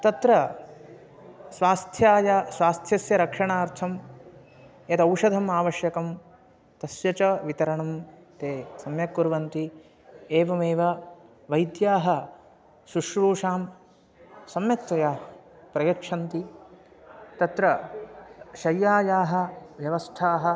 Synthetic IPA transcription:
t̪ɐt̪ɾɐ | sʋaːst̪ʰjaːjaːsʋaːst̪ʰjɐsjɐɾɐkʂɐɳaːɾt̪ʰɐm | jɐt̪ɐwʂɐd̪ʱɐmaːʋɐʃjɐkɐm | t̪ɐsjɐt͡ʃɐʋit̪ɐɾɐɳɐmt̪eːsɐmjɐkːuɾʋɐnt̪i | eːʋɐmeːʋɐ | ʋɐjd̪jaːɦɐ | suʂʋuːʂaːm | sɐmjɐtt̪ːɐjaː | pɾɐjɐkʂʰɐnt̪i | t̪ɐt̪ɾɐ | ʃɐjːaːjaːɦɐ̆ʋjɐʋɐst̪ʰaːɦɐ

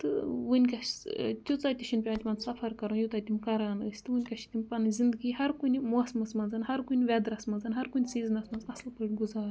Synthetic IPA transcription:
t̪ɨwɨnʲkɐʃt̪ʲut͡saːt̪iʃʰinpʲaːt̪ʲimɐnsɐfʰɐɾkɐɾujut̪aːt̪ʲimkɐɾaːnəsʲt̪ɨwɨnʲkɐʃi̥t̪impɐnzʲind̪ɨɡiːɦɐɾkunʲimuɐsmɐsmɐnzɐnɦɐɾkunʲʋʲɛd̪ɾɐsmɐnzɐnɦɐɾkunʲsiːzɨnɐsmɐnzɐslpəɽʲɡuzaːɾ

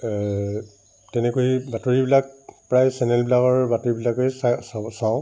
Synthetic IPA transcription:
tɛnɛkoibatoɹibilak̚pɹajsɛnɛlbilaɡɔɹbatoɹibilakojsssaʊ̃

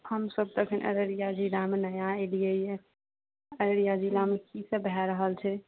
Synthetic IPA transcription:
həmsəb̚t̪əkʰənʔə̰ɾəɾijad͡ʒilamenəjaelijeje | əɾəɾijad͡ʒilamekisəbɦɛɾəɦəlt͡ʃʰɛ

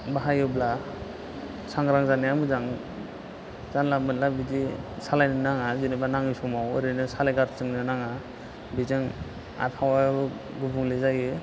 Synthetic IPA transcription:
baɦajɯbla | saŋɡɾaŋzanijamɯzaŋ | zanlamɯnlabid͡ʒisalajnɯnaŋazɯnɯbanaŋisɔmawɯ̰ɾɯnɯsalajɡaɾt͡ʃɯŋnɯnaŋa | bizɯŋ | a̰pʰawabɯ | ɡubuŋlezajɯ

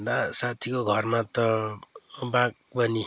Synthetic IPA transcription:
d̪asat̪ʰikoɡʱʌrmat̪ʌ | bãk̚ | pʌni

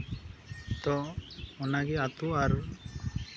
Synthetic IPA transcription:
t̪ɔɔnaɡɛat̪uaɾ

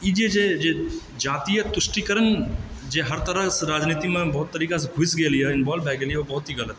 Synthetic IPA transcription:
id͡ʒed͡ʒed͡ʒe | d͡ʒaːt̪iːət̪ʊsʈikəɾənd͡ʒeɦɐɾt̪əɾəsɾaːd͡ʒniːt̪imẽbɐɦʊt̪ːəɾiːkaseɡʱʊsɡeːliɦɛɪnbɔːlbʱɛːɡeːliɛʋobɐɦʊt̪ɦiɣɐlət̪

